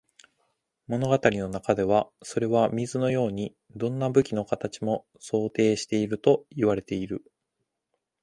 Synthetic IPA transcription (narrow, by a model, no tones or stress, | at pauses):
mo̞no̞ɡat̪aɾʲino̞nakad̪e̞β̞aso̞ɾe̞βamʲizɨno̞jo̞ːɲ̟i | d̪õ̞nːabɯ̟kʲino̞kat̪at͡ɕimo̞ | so̞ːt̪e̞ːɕi̥t̪e̞iɾɯ̟t̪o̞iβaɾe̞t̪e̞iɾɯ̟